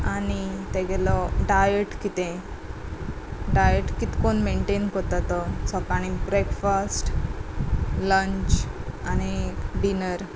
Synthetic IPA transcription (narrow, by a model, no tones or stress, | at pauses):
añit̪ɛɡɛlɔɖajəʈkit̪ẽ | ɖajəʈkit̪konmeɳʈenkɔt̪at̪ɔsɔkaɽ̃ibɾekfasʈ | ləɲt͡ɕañikɖinəɾ